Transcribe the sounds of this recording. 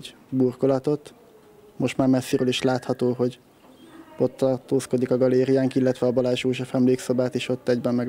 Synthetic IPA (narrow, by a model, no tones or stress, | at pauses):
burko̞lɒt̪o̞t̪ | mo̞ʃt̪maːrmɛsːiɾøːliʃlaːt̪hɒt̪oːɦo̞ɟ | o̞t̪ːɒrt̪oːsko̞d̪ikɒɡɒleːɾijaːŋkilːɛt̪ʋɛɒbɒlaːʒoːʒɒfɛmleːkso̞baːt̪eːʃo̞t̪ːɛɟbɛmːɛɡ